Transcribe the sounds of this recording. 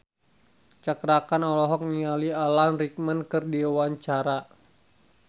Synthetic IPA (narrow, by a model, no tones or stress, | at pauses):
t͡ʃakɾakanɔlɔɦɔk̚nialialanrik̚mənkɨrdiawaɲt͡ʃaɾa